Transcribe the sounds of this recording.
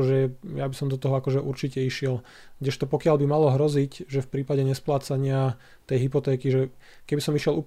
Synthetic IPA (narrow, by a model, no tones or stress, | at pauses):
ʒɛjabisɔmd̪ɔt̪ɔɦɔakɔʒɛʔuɾt͡ʃicɛiʃɪɛl | ɡdɟɛʃt̪ɔpɔkɪalbimalɔɦɾɔzicʒɛfpɾiːpaɟɛɲɛsplaːt͡saɲɪa | t̪ɛjɦipɔt̪ɛːkiʒɛ | kɛbisɔmiʃɛluːp